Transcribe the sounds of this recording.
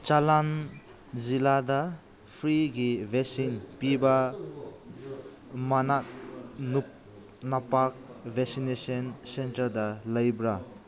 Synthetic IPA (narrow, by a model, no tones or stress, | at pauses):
t͡ʃalan | zilada | pʰɾiɡibʱeksinpiba | manat̚nup | napak̚bʱeksinesɔnsentɐɾdalɐjbɾa